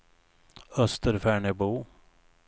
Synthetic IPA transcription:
œst̪əɾfæːɳəbuː

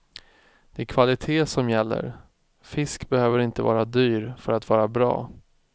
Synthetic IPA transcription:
d̪̥ɛækʰvalɪt̪ʰeːsɔmjɛlːə̰ɾ | fɪskbɛhøːvəɾɪnt̪əvɑ̰ːɾad̪yːɾfœɾat̪vɑːɾabɾɑ̰ː

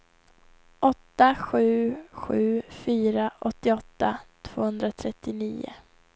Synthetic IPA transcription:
ʔɔt̪ːaɧʉ̟ːɧʉ̟ːfyːɾaʔɔt̪ːɪɔt̪ːat̪ʰv̥oːhɵnd̪ɾat̪ʰɾɛt̪ːɪniːʊ̰

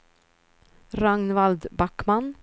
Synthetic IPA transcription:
ɾaŋnvald̪bakman

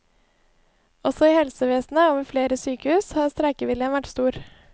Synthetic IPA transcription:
ɔsɔiːhɛlsəʋeːsnəoːʋəɾfleːɾəsyːkəhʉːshɑːɾst̪ɾɛkəʋɪljənʋæʈst̪uːɾ

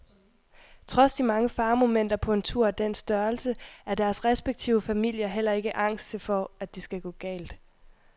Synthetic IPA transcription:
t͡sʰʁɒ̽sd̥imɑ̈ŋəfɑ̈ːmo̝men̰d̥ɐpʰɒ̽e̝nt͡sʰuɐ̰æd̥en̰sd̥ɶɐlsəæɐd̥æɐsʁɛsb̥eɡ̥̚t͡sʰiʊəfæmil̰jɐɦel̰ɐe̝ɡ̥əʔɑ̈ŋ̰sd̥t͡sʰe̝fɒ̽æd̥isɡ̥æɡ̥ɔ̰̽ːɡ̥ɛ̰ːld̥

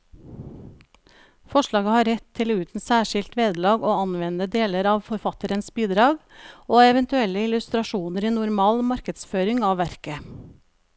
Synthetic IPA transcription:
fɔʃɭɑːɡəhɑːɾɛt̪ʰːɪlʉːt̪n̩sæːʃɪlt̪ʋeːd̪lɑːɡoːɑnʋɛnəd̪eːləɾɑːʋfɔɾfɑt̪əɾənsbiːd̪ɾɑːɡoːɛʋɛnt̪ʉɛlːəɪlʉst̪ɾɑʃuːnəɾiːnʊɾmɑːlmɑɾkəd̪sføːɾɪŋɑːʋʋæɾkə

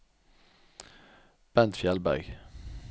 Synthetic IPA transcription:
b̥ɛnt̪fjɛlbæ̰ʁɡ

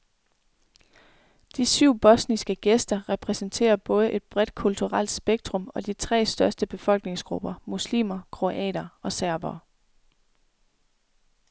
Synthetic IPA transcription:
d̥isyʊ̰b̥ɒ̽snisɡ̥əɡ̥esd̥ɐʁɛpʰʁɛsənt͡sʰe̝̰ːɐb̥ɔ̽ːð̞ˠəʔe̝d̥̚b̥ʁɛd̥kʰult͡sʰuʁal̰d̥sb̥eɡ̥̚d̥ʁɔ̽mɒ̽d̥it͡sʰʁɛ̰ːsd̥ɶɐsd̥əb̥e̝fɒ̽l̰ɡ̥ne̝ŋsɡ̥ʁub̥ɐmuslḭːmɐkʰʁo̝ʔɛ̰ːɾ̥ɐɒ̽sæɐʋɐː

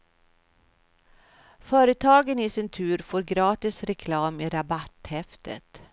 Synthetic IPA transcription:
fœːɾət̪ʰɑːɡənɪsɪnt̪ʰʉ̟ːɾfoːɾɡɾɑːt̪ɪsɾɛkʰlɑːmɪɾabat̪hɛft̪ə̰t̪

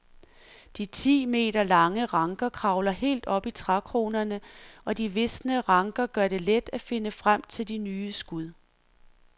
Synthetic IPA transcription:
d̥it͡sʰḭːme̝̰ːɾɐlɑ̈ŋəʁɑ̈ŋɡ̥ɐkʰʁɑ̈ʊlɐhe̝̰ːld̥ɒ̽b̥it͡sʰʁɑkʰʁo̝ːnɐnəɒ̽d̥iʋe̝snəʁɑ̈ŋɡ̥ɐɡ̥ɶɐɾe̝led̥æfe̝nəfʁam̰t͡sʰe̝ld̥inyːəsɡ̥uð̰ˠ

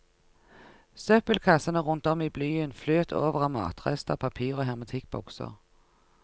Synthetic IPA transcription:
sœpəlkʰɑsənəʁʊnt̪ɔmiːblyːənfløːt̪ʰoːʋəʁɑmɑ̰ːt̪ʁɛ̰st̪əpʰɑpʰiːʁoːɦɛʁmʊt̪ʰɪk̚bɔ̰ksə̰ʁ

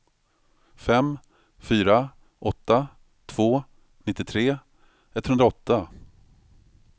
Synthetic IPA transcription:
fɛmː | fyːɾa | ʔɔt̪ːa | t̪ʰv̥oː | nɪt̪ːɪt̪ʰɾeː | ɛt̪hɵnɾaɔt̪ːa

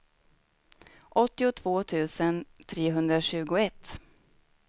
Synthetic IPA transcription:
ʔɔt̪ːɪʊt̪ʰv̥oːt̪ʰʉ̟ːsənt̪ʰɾeːɦɵnd̪ɾaɕʉ̟ːɡʊɛt̪ː

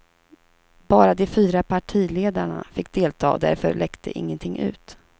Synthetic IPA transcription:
bɑːɾad̪ɛfyːɾapʰaʈʰiːleːd̪aɳa̰fɪkːd̪eːlt̪ʰɑ̰ːɔd̪æ̰ɾfœ̰ɭɛkt̪ʰəʔɪ̰ŋːənt̪ʰɪŋːʔʉ̟ːt̪

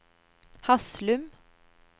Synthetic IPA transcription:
hɑslʉm

